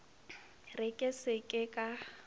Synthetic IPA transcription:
rɪkʼɪsekʼɪkʼa

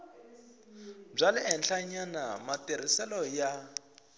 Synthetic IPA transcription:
b͡ʐalɪɛnɬaɲanamateɾ̤isɛlɔja

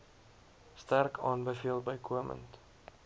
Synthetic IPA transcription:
stærkʰɑːnbəfiəlˠbəjkʰuəmə̰nt

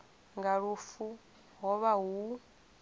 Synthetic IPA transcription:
ŋɡaɺufu | ɦɔβaɦu

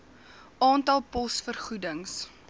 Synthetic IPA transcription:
ʔɑːntɐlˠpɔsfərχudəŋs

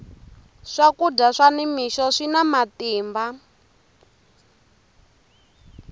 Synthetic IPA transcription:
ʂakudaʂanimiʃɔʂinamatiːmba

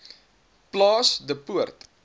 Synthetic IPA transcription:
plɑːsdəpuərt̪

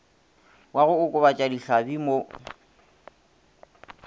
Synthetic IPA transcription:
waɣʊʊkʼʊβat͡ʃʼadiɬabimo

